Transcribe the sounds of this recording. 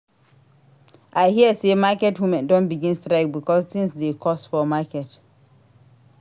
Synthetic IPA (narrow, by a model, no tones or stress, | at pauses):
ʔaɪhiəsemakɛtwumɛ̃ndɔ̃nbiɡĩnstɹaɪk̚bikɔstĩŋsdekʰɔstfɔmakɛt